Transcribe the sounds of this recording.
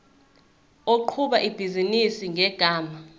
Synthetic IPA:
oǃʰuɓaʔib̥ʱizinisiŋʱɛɡ̥ʱaːma

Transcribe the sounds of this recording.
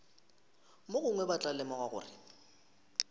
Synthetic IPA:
moɣʊŋwɛbat͡ɬʼalɛmɔɣwaɣʊ̰ːrɪ̰

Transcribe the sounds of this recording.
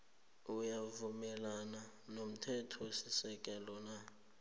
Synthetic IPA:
ujavumɛlana | nom̩tʰɛtʰɔsisɛk̬ʼɛlɔna

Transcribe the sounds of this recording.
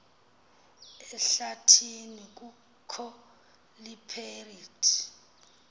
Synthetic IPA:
ɛɬatʰinik̬ʼu | kʰɔ | lipʰeritʰi̥

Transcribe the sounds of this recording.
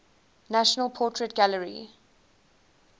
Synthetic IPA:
næʃənəlˠpʰɔˑtʰɹɛtɡ̥aləɹḭ

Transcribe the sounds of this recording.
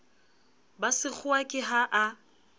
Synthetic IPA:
basɪk͡xʰʊakʼɪɦaʔa

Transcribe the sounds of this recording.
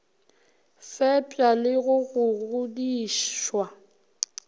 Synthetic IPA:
fɛpʼalɪɣʊɣʊɣʊdiːʃwa

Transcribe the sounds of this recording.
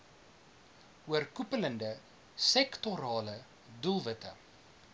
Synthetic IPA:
uərkupələndə | sɛktoɾɑːlə | dulˠvətə̰

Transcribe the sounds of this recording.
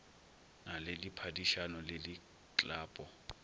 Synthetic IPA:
nalɪlipʰadiʃanɔlɪlɪ | t͡ɬʼaːpʼɔ

